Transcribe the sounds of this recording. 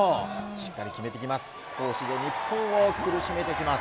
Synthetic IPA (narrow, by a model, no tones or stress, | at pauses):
oɕi̥kːaɾʲikʲime̞t̪ekʲimasɨ̥ | ko̞ːɕid̪e̞ɲ̟ipːõɰ̃okɯ̟ɾɯ̟ɕime̞t̪ekʲimas